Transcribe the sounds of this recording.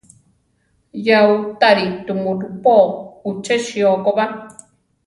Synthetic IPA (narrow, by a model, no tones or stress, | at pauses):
jaut̪aɾit̪umuɾupout͡ʃeʃiokoβa